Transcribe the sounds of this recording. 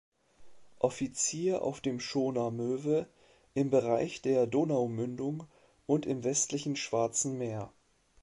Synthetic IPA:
ʔɔfit͡siːɐʔa̰ʊfd̥eːmʃoːnamøːvə | ʔɪmbəʁaɪçd̥eːɐdoːnaʊmʏndʊŋ | ʔʊntɪmvɛstlɪçn̩ʃv̥aɐt͡sn̩meːɐ

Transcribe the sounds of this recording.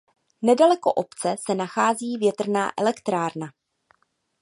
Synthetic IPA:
nɛdalɛko̞ʔopt͡sɛsɛnaxaːziːvjɛt̪r̩na̰ːʔɛ̰lɛkt̪ɾaːɾna

